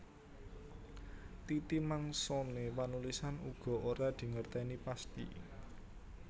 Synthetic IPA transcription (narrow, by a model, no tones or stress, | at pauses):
t̪it̪imaŋsonepanulisanuɡ̥ɔ̤ʔoɾad̪̥i̤ŋərt̪ɛnipast̪ḭ